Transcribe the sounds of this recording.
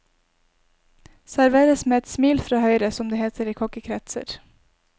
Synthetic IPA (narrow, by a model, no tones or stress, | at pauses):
sæɾʋeːɾəsmeːɛt̪smiːlfɾɑːhœʏɾəsɔmd̪eːheːt̪ʰəɾiːkʰɔkəkʰɾɛt̪sə̰ɾ